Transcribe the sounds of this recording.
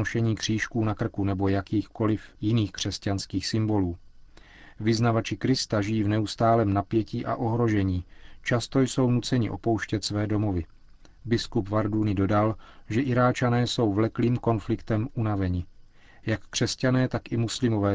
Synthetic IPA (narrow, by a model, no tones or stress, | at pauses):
oʃɛɲiːkr̥iːʃkuːnakr̩kunɛbo̞jakiːxko̞lɪfjɪniːxkr̝̥ɛscanskiːxsɪmbo̞luː | vɪznavat͡ʃɪkɾɪst̪aʒɪjiːvnɛust̪aːlɛːmnapjɛciːʔa̰ʔo̞ɦɾo̞ʒɛɲiːt͡ʃast̪o̞jso̞wnut͡sɛɲɪ̰ʔo̞̰powʃcɛt̪svɛːdo̞mo̞vɪ | bɪskupvaɾdunɪdo̞dalʒɛʔɪɾaːt͡ʃanɛːso̞wvlɛkliːmko̞nflɪkt̪ɛmʔunavɛɲɪ | jakːr̥ɛscanɛːt̪akʔɪmuslɪmo̞vɛː